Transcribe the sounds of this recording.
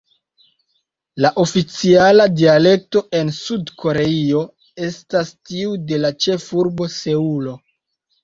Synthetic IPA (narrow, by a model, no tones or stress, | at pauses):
laʔo̞fit͡sialadiale̞k̚to̞ʔe̞nsudkʰo̞ɾe̞io̞ | e̞stastiude̞lat͡ʃe̞fuɾbo̞se̞ulo̞